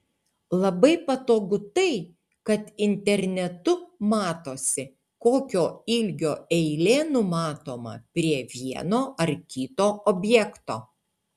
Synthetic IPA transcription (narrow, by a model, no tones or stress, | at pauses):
lˠɐbɐɪpɐt̪oːɡʊt̪ɐɪ | kɐt̪ɪnʲt̪ʲɛɾʲnʲɛt̪ʊmɑːt̪oːsʲɪ | koːkʲoːɪlʲɡʲoːɛɪlʲeːnʊmɑːt̪oːmɐ̰pʲɾʲiɛʋʲiɛnoːʔɐɾkʲɪt̪oːɔbʲjɛkt̪oː